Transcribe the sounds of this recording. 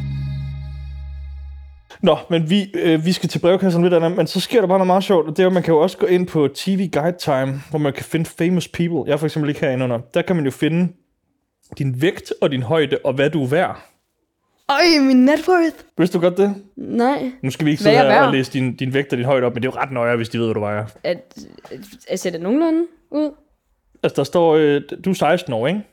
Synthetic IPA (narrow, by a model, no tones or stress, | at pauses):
nɒ̽menʋiʋisɡ̥æt͡sʰe̝b̥ʁɛʊkʰæs̬ɐn̩ʋed̥ænəmensɒ̽sɡ̥e̝ɐ̰ɾeb̥ɑ̈noðˠmɑ̈ːðˠɕɒ̰ʊ̰d̥ɒ̽d̥eɐjɒmænkʰæjo̝ɒ̽sə̥ɡ̥ɔ̰̽ːe̝n̰pʰɒ̽t͡sʰiːʋiːɡ̥ɑ̈ɪd̥̚t͡sʰɑ̈ɪmʋɒmænjo̝kʰæfe̝nəfeɪməspʰiːb̥l̩ˠjɑ̈ɪfɒɐɡsembleɡ̥hæɐ̰e̝nɔ̽n̰ɐd̥æɐkʰæmænjo̝fe̝nə | d̥inʋeɡ̥d̥ɒ̽d̥inɦɒ̽ɪd̥əʔɒ̽ʋæd̥uʋæɐ̰ | aɪminːed̥wɔθʋe̝sd̥uɡ̥ɒ̽d̥̚ːe̝nɑɪ̰nusɡ̥æʋieɡ̥seæɐɒleːsəd̥ind̥inʋeɡ̥̚d̥ɒd̥inɦɒ̽ɪ̰ɾəɒ̽b̥mend̥ejo̝ʁɑ̈d̥nɒɪɐʋe̝sd̥ie̝ð̞̰ˠʋæɾuʋɑ̈æɐæ | sedəno̝ŋ̩lænə | uð̰ˠ | ælsəd̥ɑ̈sd̥ɒ̰ːø̥d̥usɑ̈ɪsd̥n̩ɒ̰ːeŋ